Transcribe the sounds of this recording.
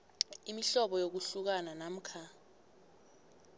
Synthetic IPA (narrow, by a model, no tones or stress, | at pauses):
imiɬɔɓɔjok̬uɬuk̬ananam̩kʰa